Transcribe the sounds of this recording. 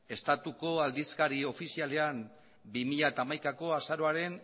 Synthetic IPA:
e̞st̪at̪uko̞ald̪iskaɾio̞fisiale̞am | bimiʎat̪aːmajkako̞asaɾo̞aɾe̞n

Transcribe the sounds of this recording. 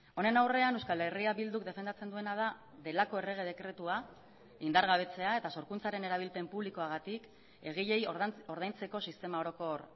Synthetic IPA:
o̞ne̞nawre̞anewskale̞riaβild̪uk̚d̪e̞fe̞nd̪at͡se̞nd̪ue̞nað̞a | ðe̞lako̞e̞re̞ɣ̞e̞ðe̞kɾe̞t̪ua | ind̪aɾɣaβ̞e̞t͡se̞ae̞t̪aso̞ɾkunt͡saɾe̞ne̞ɾaβ̞ilpe̞mpuβliko̞aɣ̞at̪ik | e̞ɣ̞iʎe̞jo̞ɾð̞ajnt͡se̞ko̞sist̪e̞mao̞ɾo̞ko̞ɾ

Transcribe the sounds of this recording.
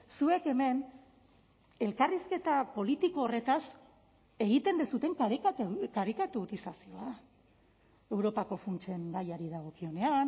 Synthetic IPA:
sue̞ke̞me̞n | e̞lkariske̞t̪apo̞lit̪iko̞ːre̞t̪as | e̞ɣit̪e̞nd̪esut̪e̞ŋkakakaɾikat̪uɾisasio̞a | e̞wɾo̞pako̞funt͡ʃe̞ŋɡajaɾiðaɣ̞o̞kio̞ne̞an

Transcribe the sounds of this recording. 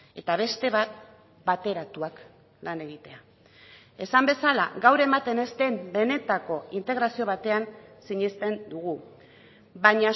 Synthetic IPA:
e̞t̪aβ̞e̞st̪e̞β̞at̪̚ | bat̪e̞ɾat̪uak | lane̞ɣit̪e̞a | e̞sambe̞sala̰ɡawɾe̞mat̪e̞ne̞st̪embe̞ne̞t̪ako̞int̪e̞ɣ̞ɾasio̞βat̪e̞ansiɲest̪e̞nd̪uɣu | baɲa

